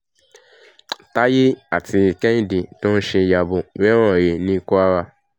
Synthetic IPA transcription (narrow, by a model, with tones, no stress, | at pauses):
ta˦ji˦a˦˨ti˧˨kɛ̃˦n˦di˨tʊ̃˦n̩˦ʃe˧˨ja˨bo˨˦e˦ɾ̃ɔ̃˦˨ɾe˨nĩ˦ku˦a˦ɾa˧